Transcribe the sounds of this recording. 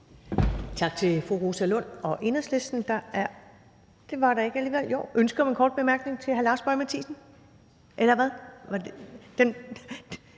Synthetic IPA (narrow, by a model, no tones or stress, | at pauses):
t͡sʰɑ̈ɡ̥̚t͡sʰe̝fʁuʁosælɔ̽n̰ɒ̽ʔe̝nɐsle̝sd̥n̩d̥ɑ̈æɐ | d̥e̝ʋɑ̈ɾɑ̈e̝ɡ̥æliːʋel̰jo̰ʊ̰ʔønsɡ̥ɐmenkʰɒ̰ːd̥̚b̥e̝mæɐɡ̥ne̝ŋt͡sʰe̝ɦælɑ̈ːsb̥ɒ̽ɪmæt͡sʰḭːsn̩ | ʔelɐʋæðˠʋɑd̥en